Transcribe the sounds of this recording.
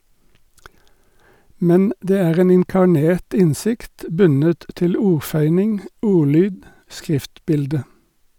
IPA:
ˈmɛn ˈdeː ˈæːʁ ˈeːn ɪŋkɑˈɳeːt ˈɪnˌsɪkt ˈbʉnət ˈtɪl ˈuːʁˌfœʏnɪŋ ˈuːˌlyːd ˈskʁɪftˌbɪldə

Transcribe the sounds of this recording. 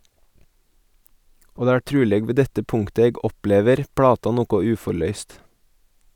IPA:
ˈoː ˈdeː ˈæː ˈʈɾʉːlɛɡ ˈʋeː ˈdɛtə ˈpʊŋtə ˈeːɡ ˈɔˌpleːʋəɾ ˈpɽɑːtɑ ˈnuːkʊ ˈʉːfɔɾˌlœʏst

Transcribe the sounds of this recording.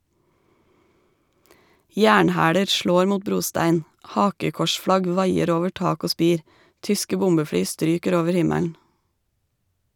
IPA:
ˈjæːɳˌhæːɽə ˈʃloːɾ ˈmuːt ˈbɾuːˌstæɪn ˈhɑːkəkɔʃˌfɽɑɡ ˈʋɑɪəɾ ˈoːʋə ˈʈɑːk ˈoː ˈspiːɾ ˈtʏskə ˈbʊmbəˌfɽyː ˈstɾyːkəɾ ˈoːʋəɾ ˈhɪmæln̩

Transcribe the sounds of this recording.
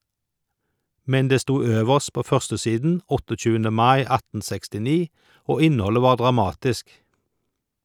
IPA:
ˈmɛn ˈdeː ˈstuː ˈøːʋəʃt ˈpoː ˈfœʁstəˌsiːdn̩ ˈɔtɔˌc͡çʉːəndə ˈmɑɪ ˈɑtn̩ ˌsɛkstɪˈniː ˈoː ˈɪnˌhɔlə ˈʋɑːʁ ˌdʁɑˈmɑːtɪsk

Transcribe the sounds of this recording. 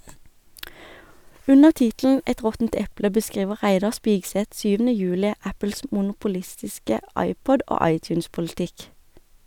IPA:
ˈʉnəʁ ˈtɪtln̩ ˈɛt ˈʁɔtn̩t ˈɛplə bəˈskʁiːʋə ˈʁæɪdɑʁ ˈspiːɡsɛt ˈsyːʋn̩ə ˈjʉːlɪ ˈæpl̩s mʊnʊpʊˈlɪstɪskə ˈɑɪˌpɔd ˈʔoː ˈɑɪˌtjʉːnspʊlɪˌtɪk

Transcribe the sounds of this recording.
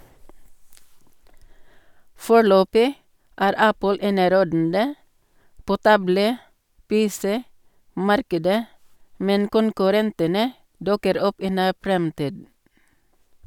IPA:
ˈfoːˌɭøːpɪ ˈæːɾ ˈæpəl ˈeːnəˌɾoːdn̩də ˈpoː ˈtɑbləˌpeːˌsɛˌmɑɾkədə ˈmɛn kʊnkʉˈɾɛntənə ˈdʊkəɾ ˈɔp ˈiː ˈnæː ˈfɾɛmtiːd

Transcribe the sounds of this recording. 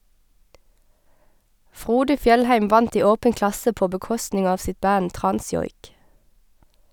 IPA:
ˈfʁuːdə ˈfjɛlhæɪm ˈʋɑnt ˈiː ˈoːbən ˈklɑsə ˈpoː bəˈkɔstnɪŋ ˈɑːʋ ˈsɪt ˈbæn ˈtʁɑnˌsjɔʏk

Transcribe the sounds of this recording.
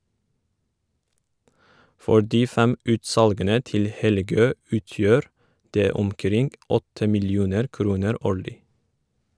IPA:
ˈfɔ ˈɖiː ˈfɛm ˈʉːtˌsɑlɡənə ˈtɪl ˈhɛlˌɡøː ˈʉːˌtjøːɾ ˈdeː ʊmˈkɾɪŋɡ ˈɔtə mɪlˈjuːnəɾ ˈkɾuːnəɾ ˈoːɭɪ

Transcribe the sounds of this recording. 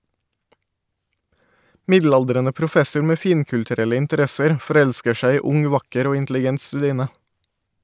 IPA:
ˈmɪdˌlɑldɾɛnə pɾʊˈfɛsʊɹ ˈmeː ˈfiːŋkʉltʉˌɾɛlə ɪntəˈɾɛsəɾ fɔˈɾɛʎskə ˈʃæɪ ˈiː ˈʊŋ ˈʋɑkəɾ ˈoː ɪntlɪˈɡɛnt stʉˈdiːnə

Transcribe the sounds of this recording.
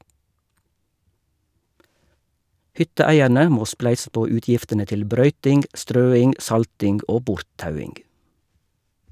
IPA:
ˈhʏtəˌæɪæɾnə ˈmoː ˈsplæɪsə ˈpoː ˈʉːtjɪftənə ˈtɪl ˈbɾœʏtɪŋɡ ˈʔstɾøːɪŋ ˈʔsɑltɪŋɡ ˈoː ˈbʊɾtˌtɑʉɪŋɡ

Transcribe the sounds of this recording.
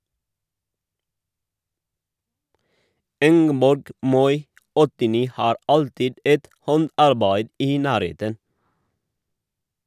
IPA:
ˈɪŋɡəbɔɾɡ ˈmɔʏ ɔtɪˈniː ˈhɑːɾ ˈɑltɪd ˈɛt ˈhɔndɑɾˌbæɪd ˈiː ˈnæːɾˌheːtən

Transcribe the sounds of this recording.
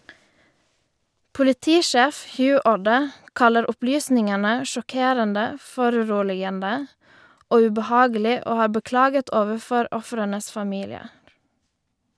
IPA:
pʊlɪˈtiːˌʃæːf ˈhjʉː ˈuːɖə ˈkɑləɾ ˈʊplyːsnɪŋənə ʃɔˈkeːɾəndə ˈfɔɾʉˌɾuːlɪɡəndə ˈoː ʉbəˈhɑːɡəlɪ ˈoː ˈhɑː bəˈklɑːɡət ˈoːʋəˌfɔɾ ˈɔfɾənəs fɑˈmiːlɪəɾ

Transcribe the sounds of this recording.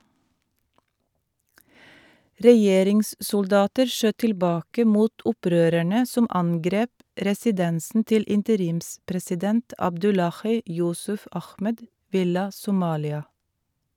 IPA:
ɾɛˈjeːɾɪŋssʊlˌdɑːtəɾ ˈʃøː tɪlˈbɑːkə ˈmuːt ˈʊˌpɾøːɾæɳə ˈsʊm ˈɑŋɡɾeːp ɾɛsɪˈdɛnsn̩ ˈtɪl ɪntəˈɾiːmspɾɛsɪˌdɛnt ɑbˈdʉlɑxiː ˈjʊsʉf ˈɑxmɛd ˈʋɪlɑ sʊˈmɑːlɪɑ

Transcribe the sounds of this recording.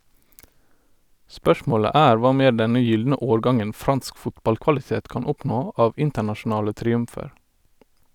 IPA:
ˈspœʃmoːɭə ˈæːɾ ˈʋɑː ˈmeː ˈɖɛnə ˈjʏldnə ˈoːɹˌɡɑŋən ˈfɾɑnsk ˈfʊtbɑlkʋɑlɪˌteːt ˈkɑːn ˈɔpnoː ˈʔɑːʋ ˈɪntəɳɑʃʊˌnɑːlə tɾɪˈʉmfəɹ

